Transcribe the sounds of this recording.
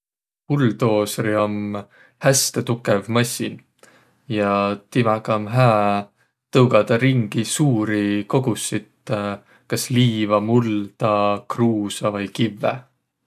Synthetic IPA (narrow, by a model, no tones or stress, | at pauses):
puld̪o̞ːsriom | hæst̪et̪ukːˑevmɑsʲin | jɑt̪imɑkɑmɦæː | t̪ɤwɡɑd̪̥ɑɾiŋɡ̥isuːɾiko̞ɡ̥usːit̪ | kɑsliːvɑmuld̪̥ɑkruːsɑvɤjkivːḛ